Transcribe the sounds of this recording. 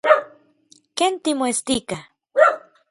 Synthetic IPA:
kent̪imoest̪ika

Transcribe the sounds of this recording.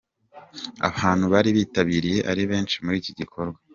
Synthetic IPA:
a̰βaːnhuβaɾiβiːtaβiːɾije̞ʔaɾiβe̞ːnt͡ʃimuɾiːciɟikʰo̞ɾɡwa

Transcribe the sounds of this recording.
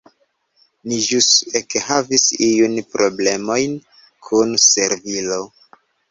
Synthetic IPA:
niʒusekhavisiunpɾʔo̞ble̞mo̞jn | kʰunse̞ɾvilo̞

